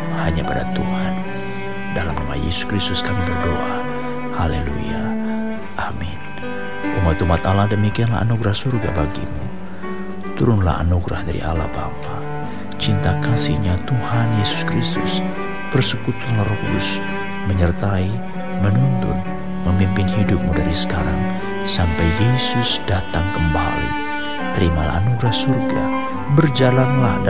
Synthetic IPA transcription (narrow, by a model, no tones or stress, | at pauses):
haɲapada̰t̪uhan | dalamrama̰jɛ̰suskɾist̪ʊskamibərdoʔa | halelṵja | ʔamin | ʔumat̪umat̪alahdəmikianla̰a̰nuɡɾahsurɡa̰baɡḭmu | t̪uɾʊnla̰ha̰nuɡɾa̰hdaɾḭʔa̰la̰hba̰mpa | t͡ʃint̪akansḭɲat̪uhanjesu̥skɾist̪ʊ̰s | pərsəkut̪anlahrokudʊs | məɲərt̪ai | mənunt̪ʊ̰n | məmpimpɪnhidʊp̚mudaɾisə̥kaɾaŋ | sampɛjːesʊsdat̪aŋkəmba̰lḭ | t̪əɾima̰la̰hanuɡɾahsurɡa̰ | bərd͡ʒalanlah